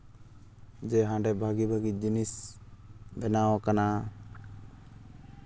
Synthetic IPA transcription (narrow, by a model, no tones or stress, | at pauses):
d͡ʒɛɦãɖɛbʱaɡibʱaɡid͡ʒinis | bɛnawkana